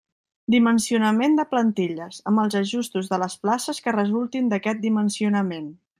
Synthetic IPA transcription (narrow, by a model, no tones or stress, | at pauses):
d̪imənsiunəmend̪əplənt̪iʎəzəmbəlˠzəʒust̪uzðələsplasəskərəzulˠt̪ind̪əkɛt̪̚d̪imənsiunəmen